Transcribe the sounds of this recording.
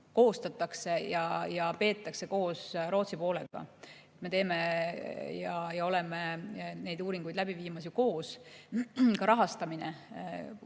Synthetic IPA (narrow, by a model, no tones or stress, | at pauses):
ko̞ːst̪ɑt̪ːˑɑkse̞jɑjɑpe̞ːt̪ːˑɑkse̞ko̞ːsɾo̞ːt̪sipo̞ːle̞̰ɡ̥ɑ̰ | et̪me̞t̪e̞ːme̞ | jɑjɑo̞le̞mene̞jd̪uːɾiŋɡ̥ujd̪læbiviːmɑsjuko̞ːs | kɑɾɑɦɑst̪ɑminḛ